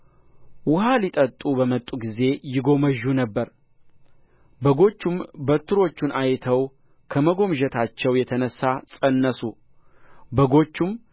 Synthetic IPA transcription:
wʊɦalit̪ʼət̪ʼːubəmət̪ʼːuɡize̞jɪɡo̞məʒːunəbːəɾ | bəɡo̞t͡ʃːumbət̪ʰːɨɾo̞t͡ʃːunʔajt̪ʰəw | kʰəməɡo̞mʒət̪ʰat͡ʃːɛwjɛt̪ʰənəsːasʼənːəsu | bəɡo̞t͡ʃːum

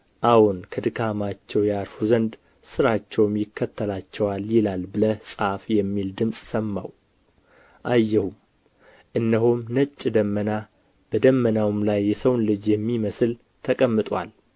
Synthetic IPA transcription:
ʔawunkʰəd̪ɨkʰamat͡ʃːɛwjaɾfuzənd̪ | sɨɾat͡ʃːɛwmjɪkʰːət̪ʰːəlat͡ʃːɛwaljɪlalbɨləsʼafjɛmːild̪ɨmsʼsəmːa̰w | ʔajːɛhum | ʔɨnːəɦomnət͡ʃʼːd̪əmːəna | b̥əd̪əmːənawmlajːɛsəwnlɨd͡ʒjɛmːiməsɨl | t̪ʰəkʼəmːɨt̪ʼwa̰l

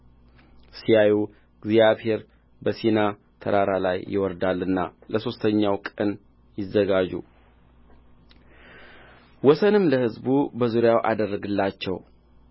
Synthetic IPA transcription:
sijaju | ɡzijaβheɾ | bəsina | t̪ʰəɾaɾalajːɪ̰wɔɾd̪alːɨnːa̰ləso̞st̪ʰəɲːawkʼən | jɪzːəɡad͡ʒṵ | wɔsənɨmləhɨzbubəzuɾɪjawʔa̰d̪ərːəɡɨlːat͡ʃːɛw

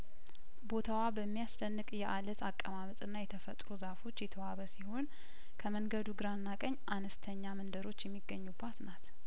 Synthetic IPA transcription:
bo̞t̪ʰawabəmːijasd̪ənːɨkʼjɛʔalət̪ʰakʼːəmamət̪ʼɨnːajɛt̪ʰəfət̪ʼɾuzafo̞t͡ʃːjɛt̪ʰəwaβəsiho̞n | kʰəməŋɡəd̪uɡɨɾanːakʼəɲːʔanəst̪ʰəɲːamənd̪əɾo̞t͡ʃːjɛmːiɡːəɲːubːat̪nat̪

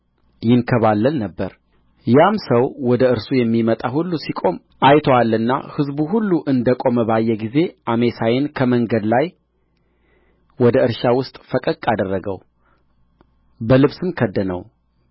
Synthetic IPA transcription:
jɪnkʰəβalːəlnəbːəɾ | jamsəwwɔd̪əɨɾsujɛmːimət̪ʼahulːusikʼo̞m | ʔajt̪ʰoalːɨnːa̰hɨzbuhulːuʔɨnd̪əkʼo̞məbajːɛɡize̞ʔame̞sajɪnkʰəməŋɡəd̪laj | wɔd̪əɨɾʃawʊst̪ʼfəkʼəkʼːad̪ərːəɡə̰w | bəlɨβsɨmkʰəd̪ːənə̰w

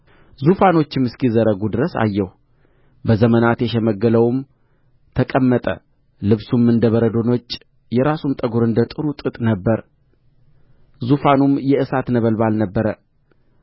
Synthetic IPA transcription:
zufano̞t͡ʃːɪmɨskizəɾəɡud̪ɨɾəsa̰jːɛh | bəzəmənat̪jɛʃɛməɡːələwm | t̪ʰəkʼəmːət̪ʼə̰ | lɨβsumɨnd̪əβəɾəd̪o̞no̞t͡ʃː | jɛɾasumt̪ʼəɡuɾɨnd̪ət̪ʼɨɾut̪ʼɨt̪ʼnəbːəɾ | zufanumjɛɨsat̪nəβəlbalnəbːəɾə

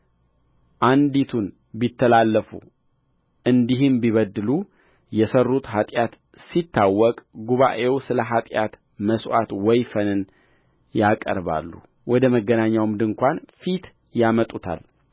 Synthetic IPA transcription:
ʔand̪it̪ʰun | bit̪ʰːəlalːəfṵ | ʔɨnd̪iɦɨmbiβəd̪ːɨlu | jɛsərːut̪ɦat̪ʼjat̪ | sit̪ʰːawːɔkʼɡuβa̰ʔe̞wsɨləɦat̪ʼjat̪ | məswʔat̪wɔjfənɨn | jakʼə̰ɾβa̰lːṵ | wɔd̪əməɡːənaɲːawmd̪ɨŋkʷanfit̪ | jamət̪ʼut̪ʰa̰l

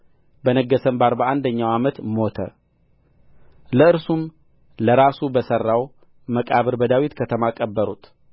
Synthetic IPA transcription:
bənəɡːəsəmbaɾbəʔand̪əɲːawamət̪mo̞t̪ʰə̰ | ləɨɾsum | ləɾasubəsərːaw | məkʼaβɨɾbəd̪awit̪kʰət̪ʰəmakʼəbːəɾut̪

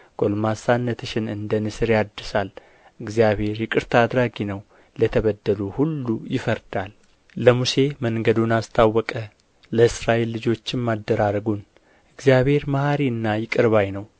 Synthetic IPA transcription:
ɡ̥o̞lmasanːət̪ʰɨʃɪnɨnd̪ənɨsɨɾjad̪ːɨsal | ʔɨɡzijaβhe̞ɾjɪkʼɨɾt̪ʰad̪ɾaɡinəw | lət̪ʰəβəd̪ːəluhulːujɪfəɾd̪alː | əmuse̞məŋɡəd̪unast̪ʰawːɔkʼə | ləɨsɾaʔelːɨd͡ʒo̞t͡ʃːɪnmad̪ːəɾaɾəɡun | ʔɨɡzijaβhe̞ɾmahaɾiɨnːajɪkʼɨɾβajnəw

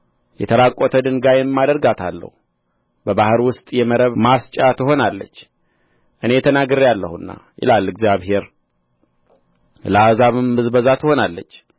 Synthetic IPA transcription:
jɛt̪ʰəlakʼːot̪ʰəd̪ɨŋɡajɛmːad̪əɾɡat̪ʰalːə̰hu | bəβahɨɾwʊst̪ʼjɛməɾəβmast͡ʃʼat̪ʰɨɦo̞nalːə̰t͡ʃː | ʔɨne̞t̪ʰənaɡɨɾjalːə̰hunːa̰jɪ̰lalɨɡzjaβhe̞ɾ | ləazaβɨmːɨzbəzat̪ʰɨho̞nalːə̰t͡ʃː

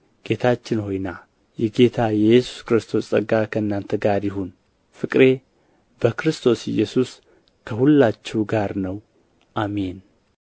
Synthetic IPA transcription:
ɡ̥e̞t̪ʰat͡ʃːɪnho̞jna | jɛɡe̞t̪ʰajɛjːɛsu̥skɨɾɨst̪ʰo̞sʼəɡakʰəɨnːant̪ʰəɡaɾjɪɦun | fɨkʼɾe̞ | bəkɾɨst̪ʰo̞sɪ̰jɛsus | kʰəhulːat͡ʃːɛwɡaɾnəw | ʔame̞n

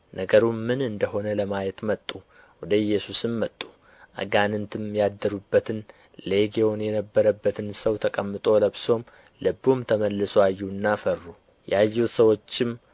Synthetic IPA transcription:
nʔəɡəɾumɨnɨnd̪əɦo̞nələmajɛt̪mət̪ʼːu | wɔd̪əjːɛsusɨmːət̪ʼːu̥ | ʔə̰ɡanɨnt̪ʰɨmjad̪ːəɾubːət̪ʰɨn | leɡewonjɛnəbːəɾəbːət̪ʰɨnsəwt̪ʰəkʼəmːɨt̪ʼo̞ləβso̞m | lɨbumt̪ʰəməlːɨsoajːunːafərːu | jʔɛajːɛut̪səwo̞t͡ʃːɪm

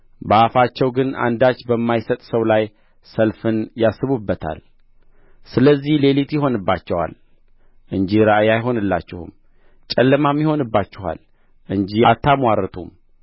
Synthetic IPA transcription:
bəafat͡ʃːɛwɡɨna̰nd̪at͡ʃːbəmːajsət̪ʼsəwlaj | səlfɨnjasːɨβubːət̪ʰa̰l | sɨləzːihle̞lit̪jɪɦo̞nɨbːat͡ʃːɛwa̰l | ʔɨɲd͡ʒiɾaʔjajɦo̞nɨlːa̰t͡ʃːɛhṵm | t͡ʃʼɛlːəmamːiho̞nɨbːat͡ʃːɛɦa̰l | ʔɨɲd͡ʒijat̪ʰːamwaɾət̪ʰṵm

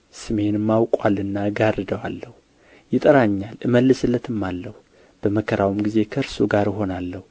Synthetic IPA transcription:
sɨme̞nɨmːawkʼwalːɨnːaɡarɨd̪əwa̰lːəhu | jɪt̪ʼəɾaɲːalʔɨməlːɨsɨlːət̪ɨmːalːəhu | b̥əməkʰəɾawmɡize̞kʰəɾsuɡaɾɪɦo̞nalːəhu

